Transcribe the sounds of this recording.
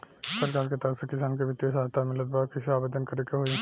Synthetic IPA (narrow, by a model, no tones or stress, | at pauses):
sɐɾkaːɾket̪əɾəfsekɪs̬aːnk̬eʋɪt̪ːijəsaːɦt̪amɪlət̪̚baːkiʃaːbed̪ənkɐɾekeɦo